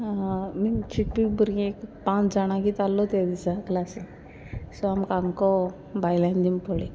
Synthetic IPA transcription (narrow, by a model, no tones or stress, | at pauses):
mit͡ɕʰiʈːibuɾĩekpãt͡sd͡zaɽ̃ãkit͡s̪alːɔt̪ed̪isaklase | sɔamkãŋkɔ | bajland̪impole